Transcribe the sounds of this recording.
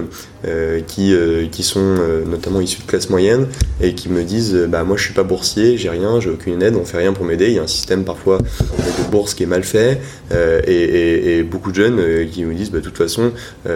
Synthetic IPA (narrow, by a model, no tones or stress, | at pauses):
økʲʰiøkʲisɔ̃ønɔt̪amɑ̃isyd̪əklasmwajɛnekʲʰiməd̪izøbamwaʒəsɥipabuʁsjeʒɛʁjɛ̃ʒeokʲynnɛd̪ɔ̃fɛʁjɛ̃puʁmed̪ejaɛ̃si̥st̪ɛmpaʁfwad̪əbuʁskʲiɛmalfɛ | øeeːbokud̪əʒœnøkʲiməd̪izbad̪ət̪ut̪fasɔ̃ | ø